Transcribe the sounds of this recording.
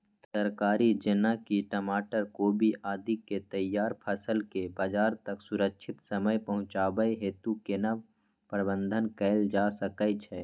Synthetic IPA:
səɾkaːɾid͡ʒɪnakiʈəmaːʈəɾkoːbʱiʔaːd̪ʱiket̪əjːaːɾpʰəsəlkebaːd͡ʒaːɾt̪əksʊɾəkʃʰɪt̪səməjpəɦʊ̃t͡ʃaːbəeɦeːt̪ukena | pɾəbə̃nd̪ʱənkɛɪld͡ʒasəkət͡ʃʰɛː

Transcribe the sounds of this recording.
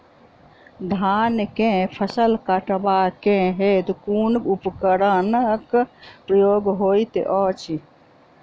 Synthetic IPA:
d̪ʱaːnkẽpʰəsəlkaʈbakẽɦet̪kuːnkupkəɾənkpɾəjoːɡɦoːit̪ḛʔɔt͡ʃi

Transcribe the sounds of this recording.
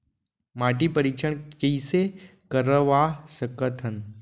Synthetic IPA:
maːʈipəɾiːt͡ʃʰəɳkiisekəɾəʋaːsəkət̪ʰɦən

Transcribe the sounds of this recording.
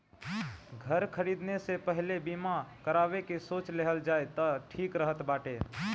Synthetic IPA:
ɡʱəɾkʰəɾiːd̪nesepəɦlebiːmakəɾaːʋekesoːt͡ʃleɦəld͡ʒaːet̪əʈʰiːkɾəɦət̪baːʈeː

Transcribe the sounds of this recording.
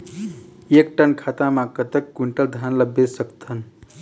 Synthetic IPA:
ek̚ʈənkʰat̪amakət̪əkːuɳʈəld̪ʱanləbjesəkt̪ʰən

